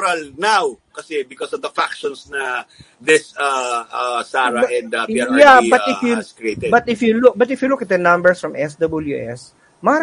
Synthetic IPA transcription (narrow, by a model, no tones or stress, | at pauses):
ɾɐlnawkɐsɛbɪkɔsɔvd̪ɐfakʃɔ̃nsnɐ | d̪ɪsaʔasaːɹɐʔɛ̃nd̪ɐpiaɹjabɐt̪ɪjuskɹet̪ɛbɐt̪ɪfjulʊk̚bɐt̪ɪfjulʊkɐt̪̚d̪ɐnɐ̃mbɛɹsfɹɐmʔɛsd̪ɐbɐljuʔɛ̰s | maːɾ